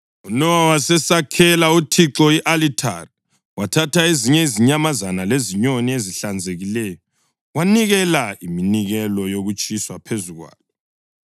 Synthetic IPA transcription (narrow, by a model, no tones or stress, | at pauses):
unɔwawasɛsakʰɛlautʰiǁɔiʔalitʰa̰ri | watʰatʰaeziɲɛiziɲamazanaleziɲonieziɬand͡zʱeɣilɛːjɔ | waniɣɛlaiminiɣɛlɔjoɣut͡ʃʼiswapʰezuɣwa̰ːlɛ